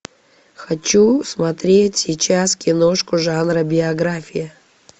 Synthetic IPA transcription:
xɐt͡ɕusmɐt̪ɾʲetʲsʲɪt͡ɕaskʲɪnoʂkʊʐanrəbʲɪɐɡɾafʲijɐ

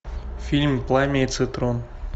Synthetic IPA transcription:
fʲilʲmʲplˠamʲesɨt̪ɾon

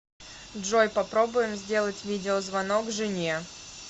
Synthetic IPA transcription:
dʐojpɐpɾo̞bʊjɪmzʲdʲe̞lˠətʲvʲidʲɪozvɐnokʐɨnʲje

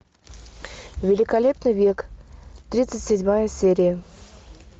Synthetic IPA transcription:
vʲɪlʲɪkalʲe̞pnɨjvʲekt̪ɾʲit̪sɨtʲsʲɪdʲmajəsʲeɾʲɪjə

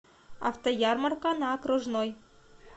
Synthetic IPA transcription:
ɑ̰ft̪ojɑrmɑrkɑnɑːkruʐnoj

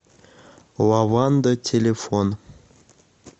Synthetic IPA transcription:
wɑvɑnd̪ətʲʰelʲefon

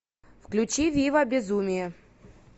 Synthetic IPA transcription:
fklʲʉt͡ɕivʲivɐbʲɪzumʲɪjɛ

